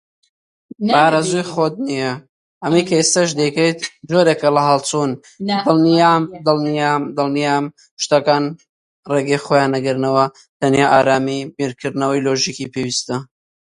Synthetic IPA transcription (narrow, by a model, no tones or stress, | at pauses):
baːɾɐzujxod̪̚nijɐ | ɐmijkʰɐest̪ɐʒd̪ekɐjt̪d͡ʒoɾekɐlɐɦɐlt͡sʰun | d̪ɨlniamd̪ɨlˠnijamd̪ɨlˠnijaːm | ʃt̪ɐkaːn | reɡexojaːnɐɡɨɾnɐwɐ | t̪ʰɐnjaʔaːɾaːmibiɾkʰɨɾd̪nɐwɐjloːʒikipewist̪ɐ